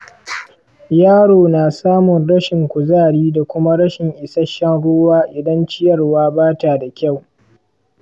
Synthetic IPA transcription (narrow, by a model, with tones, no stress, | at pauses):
jaː˦ɽoː˨naː˨saː˦mʊ˨nɽɐ˦ʃɪ˨ŋkʷʊ˨zaː˦˨ɽiː˦da˨kʷʊ˦ma˦ɽɐ˦ʃɪ˨ŋʔɪ˨sɐ˦ʃɐ˦nɽoː˦waː˦ʔɪ˨dɐ˦nt͡ʃɪ˦jɐ˨rwaː˦baː˦taː˨da˨kʲa˦˨w